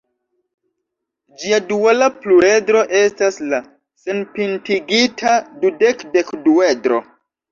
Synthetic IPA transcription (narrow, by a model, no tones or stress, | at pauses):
d͡ʒiadualaplue̞dɾo̞ʔe̞stasla | se̞npintiɡitʰadudekdekduedɾo̞̰